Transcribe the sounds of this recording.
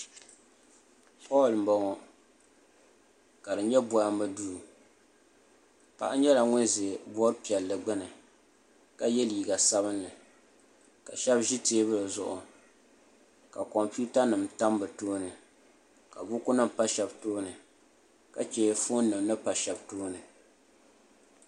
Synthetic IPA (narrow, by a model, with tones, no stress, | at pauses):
pɔː˦˨lm̩˨bɔ˨ŋɔ˨ | ka˨dɨ˨ɲɛ˦bɔ˨ja˦mbɨ˦duː˦˨ | pa̰˨ʔa˦ɲɛ˦la˨ŋʊ˦nze˨bɔ˦ɾpi˨ɛ˨lːɨ˨ɡ͡bɨ˦nɨ˨ | ka˨jɛ˦li˨i˨ɡa˨sa˦βɨ˦nlɨ˨ | ka˨ʃɛ˦bʒi˦teː˦bɨ˦lɨ˨zʊ˦ʔʊ˨ | ka˨kɔ˨mpi˦u˦ta˦nɨ˨mta˦mbɨ˨toː˦nɨ˨ | ka˨bʊ˦kʊ˦nɨ˦mpa˦ʃɛ˨btoː˦nɨ˨ | ka˨t͡ʃɛ˦fo˦n˦nɨ˨mnɨ˦pa˨ʃɛ˨btoː˦nɨ˨